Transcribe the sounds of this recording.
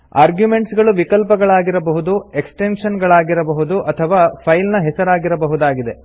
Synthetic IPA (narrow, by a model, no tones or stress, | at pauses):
aːɾɡjume̞ɳʈsɡɐɭuʋikɐlpɐɡɐɭaːɡiɾɐbɐɦud̪ueksʈenʂɐnɡɐɭaːɡiɾɐbɐɦud̪uʔɐt̪ʰɐʋaːpʰɐjlnɐɦɛsɐɾaːɡiɾɐbɐɦud̪aːɡid̪e̞